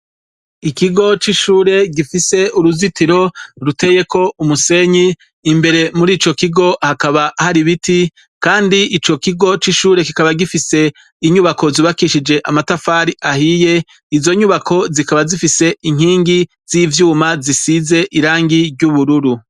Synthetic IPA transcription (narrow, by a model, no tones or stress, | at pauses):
ikiɡo̞t͡ʃiʃuːɾe̞ɡifise̞uɾuzitiɾo̞ɾute̞je̞ko̞umuse̞ɲiː | mbe̞ɾe̞muɾiːt͡ʃo̞kiɡo̞hakaβahaɾiβiti | kaːndiʔit͡ʃo̞kiɡo̞t͡ʃiʃuːɾe̞kikaβaɡifise̞ | iɲuβako̞ziβakiʃid͡ʒe̞ʔamatafaːɾiʔahije̞ | izo̞ɲuβakʰo̞zikaβazifise̞iŋ̥hiːŋɡi | z̥iːvjuːmazisize̞ʔiɾaːŋɡiɾɟuβuɾuɾu